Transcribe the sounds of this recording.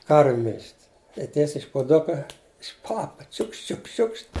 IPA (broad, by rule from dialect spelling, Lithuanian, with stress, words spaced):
ˈkɐrʲʋʲʊ mʲɪlʲʃʲtʲ ɪ ˈtʲiɛsʲɛɪ ɪʃ pʊˈdʊkɐ ɪʃ ˈpɑːpɐ ˈt͡ʃʲʊkʃt ˈt͡ʃʲʊkʃt ˈt͡ʃʲʊkʃt